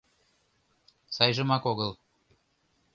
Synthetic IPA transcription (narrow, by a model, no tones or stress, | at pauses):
sɑjʒə̆mɑkoɣəlˠ